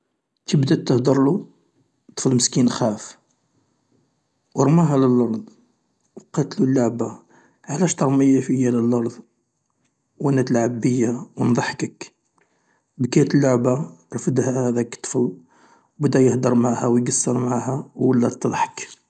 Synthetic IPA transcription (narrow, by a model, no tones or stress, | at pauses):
t̪əbd̪æt̪ːəhd̪əɾˤlu | t̪ˤə̥fəlməskinxæf | wəɾˤmæɦæləlʔɑɾˤd̪ˤ | wqɑt̪lulːaʕba | ʕlæʃt̪əɾˤməjːafəjːæləlʔɑɾˤd̪ˤ | wʔænæt̪əlʕabːəjːawənd̪ˤɑħkək | bkæt̪əlːʊʕbaɾˤfəd̪hæhhæd̪ækt̪ˤːə̥fəl | wbəd̪æjəhd̪əɾˤmaʕhæwjɡɑsːəɾmʕahæwəlːæt̪ːd̪ˤħə̥k